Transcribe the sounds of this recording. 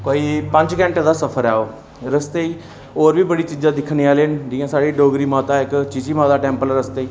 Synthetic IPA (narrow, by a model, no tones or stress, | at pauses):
koːiːpə̃ɲd͡ʒkɛ̃ːɳʈd̪aːsəpʰəɾɛːoː | ɾəst̪eːiː | oːɾbʱiːbəɽiːt͡ʃiːd͡ʒãːd̪ɪkʰneaːleːnɖijãːsaːɽiːɖoːɡɾiːmaːt̪aːɪkt͡ʃɪt͡ʃiːmãːd̪aːʈɛ̃ːmpəlɾəst̪eiː